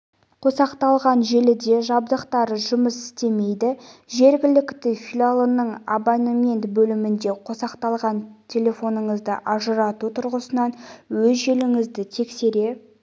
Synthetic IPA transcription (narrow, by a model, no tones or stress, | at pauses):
qʰo̞sɑqt̪ɑlˠʁɑnʒe̞lɪd̪e̞ʒɑb̚d̪əqt̪ɑɾəʒʊməsɪ̥st̪e̞me̞jd̪ɪʒe̞ɾɡʲɪlɪkt̪ɪfʲilʲalˠənːəɴabanomʲe̞nt̪bɵlɪmɪnd̪e̞qʰosɑqt̪ɑlˠʁɑnt̪ʲʰe̞lʲe̞fo̞nəɴəzd̪əʔɑʒəɾɑt̪ut̪ʰʊɾʁəsənɑnwɵzʒe̞lɪŋɪzd̪ɪt̪ʰe̞kse̞ɾe̞